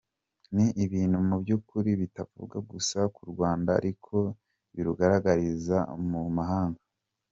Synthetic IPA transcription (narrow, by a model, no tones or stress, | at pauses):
niʔiβiːnhumubjukuɾiβitavṵbɡaɡusakuɾɡwaːnda̰ɾikʰo̞ | βiɾuɡaɾaɡaɾizamumaɦaːŋɡa